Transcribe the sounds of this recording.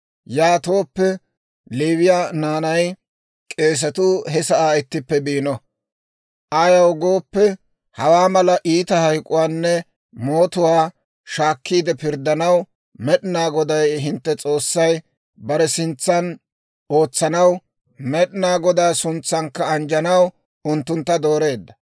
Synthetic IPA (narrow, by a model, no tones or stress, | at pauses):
jaːt̪o̞ːpːɛ | liːβɪjanaːnɐj | kʼe̞ːs̬ɐt̪ʊhɛsɐʔaːɪt̪ːɪpːɛbiːnɔ | ʔajɐwɡo̞ːpːɛ | hɐwaːmɐlɐʔiːt̪ɐhɐjkʼʊwaːnːɛ | mo̞ːt̪ʊwaː | ʃaːkːiːd̪ɛpɪɾd̪ːɐnɐw | mɛɗɪnaːɡɔd̪ɐjɦɪnt̪ːɛt͡sʼo̞ːsːɐj | bɐɾɛsɪnt͡sːɐn | o̞ːt͡sːɐnɐw | mɛɗɪnaːɡɔd̪aːsʊnt͡sːɐŋkːɐːnd͡ʒɐnɐw | ʊnt̪ːʊnt̪ːɐd̪o̞ːɾe̞ːd̪ːɐ